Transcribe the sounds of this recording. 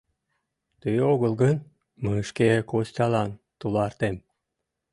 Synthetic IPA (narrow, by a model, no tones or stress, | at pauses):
t̪ɯjoɣɤ̆lˠɡən | məʃkekosʲt̪ʲɑlˠɑnt̪ulˠɑrt̪em